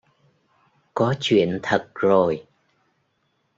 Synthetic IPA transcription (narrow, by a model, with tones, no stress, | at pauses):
kɔ˨˦t͡ɕwḭ˧˨ənt̪ʰə˨˩t̚zo˨˩j